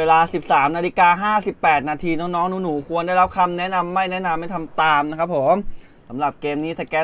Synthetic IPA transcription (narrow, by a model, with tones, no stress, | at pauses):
weː˧laː˧si˨˩p̚saː˩˦mnaː˧li˧˥kaː˧ɦaː˥˩si˨˩pːɛː˨˩t̪̚naː˧t̪ʰiː˧nɔː˦˥ŋnɔː˦˥ŋnuː˦˥nuː˩˦kʰu˧ənda˥˩jɾa˦˥p̚kʰa˧mnɛ˦˥ʔna˧mːa˥˩jnɛ˦˥na˧mːa˥˩jt̪ʰa˧mt̪aː˧mna˦˥kʰɾa˦˥p̚ʰːoː˩˦m | sa˩˦mɾa˨˩p̚keː˧mniː˦˥sa˧kɛː˦˥